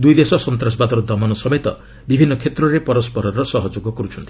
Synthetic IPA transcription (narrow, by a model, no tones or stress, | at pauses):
d̪ujd̪esɔsɔnt̪ɾas̬bad̪ɔɾɔd̪ʱɔmɔnɔsɔbet̪ɔ | bibʱinːɔkʰet̪ɾɔɾepɔɾɔspɔɾɔɾɔsɔɦɔd͡ʒoɡɔkɔɾut͡ʃʰɔnt̪i̥